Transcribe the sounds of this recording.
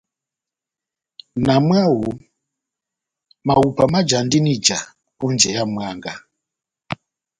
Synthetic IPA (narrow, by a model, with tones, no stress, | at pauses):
na˨mwa˦wu˨ | ma˨u˨pa˨ma˦d͡ʒa˨ndi˦ni˦d͡ʒa˨ | ku˦nd͡ʒɛ˨ja˦mwaː˦ŋɡa˨